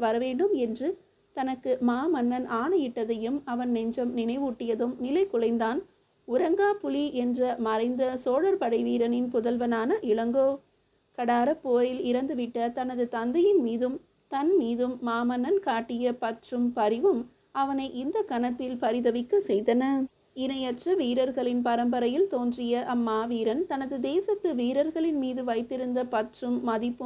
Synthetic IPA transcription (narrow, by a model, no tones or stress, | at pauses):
ʋɐɾɐʋeːɳɖɯmɛndrɯ | t̪ɐnɐkːɯmaːmɐnːɐnʔaːnɐjɪʈːɐðɐjɯmɐʋɐnnɛɲd͡ʒɐmnɪnɐɪʋuːʈːɪjɐðɯmnɪlɐɪkːʊɭɐɪnd̪aːn | ʊɾɐŋɡaːpʊliʔɛndrɐmɐɾɐɪnd̪ɐsoːɽɐɾpɐɽɐɪʋiːɾɐnɪnpʊðɐlʋɐnaːnɐʔɪɭɐŋɡoː | kɐɽaːɾɐpːoːjɪlɪɾɐnd̪ɯʋɪʈːɐt̪ɐnɐðɯt̪ɐnd̪ɐjɪnmiːðɯm | t̪ɐnmiːðɯmːaːmɐnɐnkaːʈːɪjɐpɐʈrɯmpɐɾɪʋɯm | ɐʋɐnɐɪʔɪnd̪ɐkɐnɐt̪ːɪlpɐɾɪðɐʋɪkːɐsɛjðɐnɐ | ɪnɐjɐʈrɐʋiːɾɐɾɣɐɭɪnpɐɾɐmbɐɾɐjɪlt̪oːndrɪjɐʔɐmːaːʋiːɾɐnt̪ɐnɐðɯd̪eːsɐt̪ːɯʋiːɾɐɾɣɐɭɪnmiːðɯʋɐɪt̪ːɪɾɯnd̪ɐpɐʈrɯmːɐðɪpːɯ